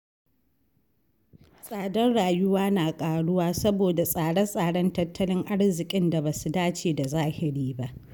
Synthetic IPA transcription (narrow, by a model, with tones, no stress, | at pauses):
sʼaː˨dɐ˦nɽaː˨jʊ˦waː˦naː˨kʼaː˨ɽʊ˦waː˦sɐ˦boː˨da˨sʼaː˨ɽɐ˦sʼaː˨ɽɐ˦ntɐ˦tʰːɐ˦lɪ˦ŋʔa˦ɽzɪ˨kʲʼɪ˦nda˨baː˨su˨daː˦t͡ʃeː˨da˨zaː˦hɪ˨ɽiː˦ba˦ʔ